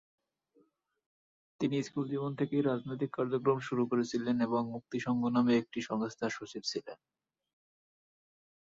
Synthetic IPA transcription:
t̪iniskuld͡ʑimont̪ʰekejɾad͡ʑnojt̪ikːaɾd͡ʑokɾomʃuɾukoɾet͡ɕʰileneboŋmuk̚t̪iʃɔŋɡʱonameek̚ʈiʃɔŋost̪ʰaʃot͡ɕib̚t͡ɕʰilḛn

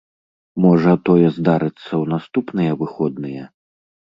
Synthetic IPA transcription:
mɔʐɐt̪ɔjɛzd̪aɾɨt̪sːɐwnast̪upnɨjɛvɨxɔd̪nɨjɛ

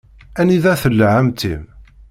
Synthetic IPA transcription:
æniðæθəlːʕamt̪ʰim

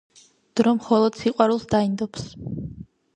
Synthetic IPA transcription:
d̪̥ɾɔmχɔlˠɔd̪siqʼwaɾulˠsd̪aind̪ɔps

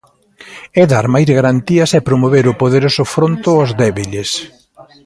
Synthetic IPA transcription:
ɛðaɾmajzɣaɾant̪iɐsɛpɾomoβ̞eɾʊpoðeɾosʊfɾont̪ʊɔzðɛβiʎes

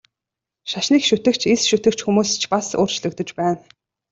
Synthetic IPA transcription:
ʃaʃniːkʃut̪ɘ̆kt͡ɕʰesʃut̪ɘ̆kt͡ɕxumuːst͡ɕʰpasʊ̰ːrt͡ɕɮɵ̆kt̪ɵ̆t͡ɕpæːn

